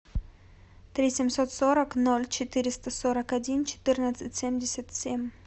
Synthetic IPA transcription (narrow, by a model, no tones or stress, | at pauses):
t̪ɾʲisʲɪmʲsot̪soɾəknolʲt͡ɕɪt̪ɨɾʲɪst̪əsoɾəkɐdʲint͡ɕɪ̥t̪ɨrnət̪sɨtʲsʲemʲdʲɪsʲət̪sʲemʲ